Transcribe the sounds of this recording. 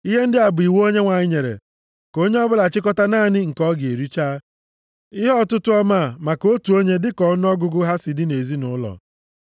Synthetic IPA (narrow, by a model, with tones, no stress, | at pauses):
i˦ɦe˦n̩˦dɪ˦a˨bi˨wo˦ɲe˦ŋʷa˨ɲɪ˦ɲe˨ɾḛ˨ | ko˦ɲe˦ɔ˦bʊ˦la˨t͡ʃɪ˦kɔ˦ta˦naː˦˨nɪ˦ŋ̩˨kɔ˦ɡe˨ɾi˦t͡ʃaː˦ | ɪ˦ɦɔ˦˨tʊ˦tʊ˦ɔ˦ma˦˨ma˨ko˦tu˨o˦ɲe˦dɪ˦kɔ˨˦n˦ɔ˦ɡʊ˦ɡʊ˦ɦa˦sɪ˨dɪ˦ne˨zi˦nʊ˦lɔ̰˨